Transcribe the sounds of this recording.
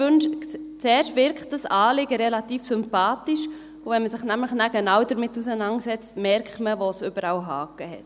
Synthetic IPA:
ønʃt͡sɛːɾʃtʋɪɾkt̚d̥əsɑːlɪɡəɾɛlɑtiːfsʏmpɑːtiʃ | uvɛnməsɪχnæmləχnæɡɛnɑwdəɾmɪtːusənɑŋsɛt͡stmɛɾktməʋosʏb̥əɾɑwɦɑːkəhɛt

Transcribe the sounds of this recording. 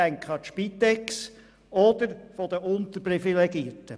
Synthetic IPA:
æŋkχəɑʃpit̪ɛks | ɔd̪əɾfɔd̪əʔʊnt̪əɾprifileɡiəɾtə

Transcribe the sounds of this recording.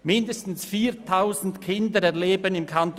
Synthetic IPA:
mɪndəstn̩sfiːtʰaʊzn̩tkʰɪndəɾɛɐleːbənɪmkʰant

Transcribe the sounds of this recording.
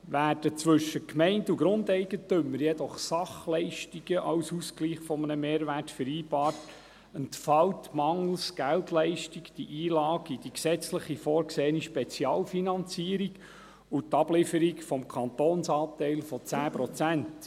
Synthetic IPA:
ʋæːd̥ət͡sʋɵʃːəkmɛɪnduɡɾʊndɛɪɡətʏmːəɾjɛd̪ɔχsɑχlɛɪʃtiɡ̥əʔɑwsuskliːχfɔmənəmeːɾʋætfəɾiːbɑːt | əntfɑwtmɑŋl̩sɡ̥æltlɛɪʃtikd̥iʔiːlɑːɡ̥id̥iksɛt͡sləχifɔːɾkseːəniʃpɛt͡sjɑːlfinɑnt͡siːəɾiɡ | ut̪ɑb̥lɪfəɾikfɔmkʰɑnt̪oːnsɑːt̪ɛɪlfɔt͡sæːpɾɔt͡sænt

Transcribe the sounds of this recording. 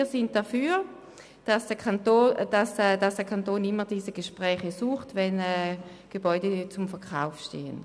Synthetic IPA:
ɐsɪnt̚d̥afyːʁ | d̥asd̥ɛkʰantoːd̥asdasd̥ɛɐkʰantoːnɪmədiːsəɡ̥əʃpʁɛːχəsuːχtvɛnɛː | ɡ̥ebɔʏdət͡sʊmfɛɐʁkʰaʊfʃtḛːə̰n

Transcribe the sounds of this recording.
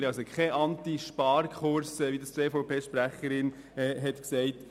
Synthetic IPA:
ɾɑsɔkχɛʔɑntiʃpɑːɾkʰχʊɾsɛʋid̪əst͡seːfoʊpʰeːʃpɾæχəɾɪn | ɛːɦɛt̪ksɛɪt

